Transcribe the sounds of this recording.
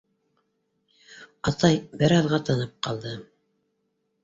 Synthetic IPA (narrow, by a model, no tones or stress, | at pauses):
ɑt̪ɑjbɘɾɑðʁɑt̪ɑnɤp̚qɑlˠd̪ɤ